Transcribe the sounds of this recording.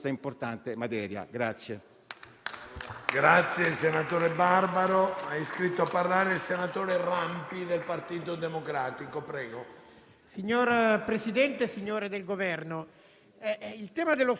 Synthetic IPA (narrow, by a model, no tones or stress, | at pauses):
saimport̪ant̪emat̪ɛːɾja̰ɡɾat̪sːje | ɡɾat̪sːjeilsenat̪oːɾebarbaɾoaiskɾit̪ːoapːarlaːɾeilsenat̪oːɾerampid̪elpart̪iːt̪od̪emokɾaːt̪ikopɾɛːɡo | siɲːoːɾpɾesid̪ɛnt̪esiɲːoːɾed̪elɡovɛrno | ɛilt̪ɛːmad̪elo